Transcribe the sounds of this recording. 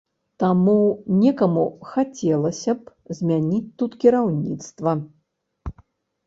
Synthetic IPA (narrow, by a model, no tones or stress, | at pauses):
t̪amunʲɛkɐmuxat͡sʲɛlˠɐsʲɐp | zʲmʲanʲit͡sʲt̪ut̪kʲiɾawnʲit̪st̪vɐ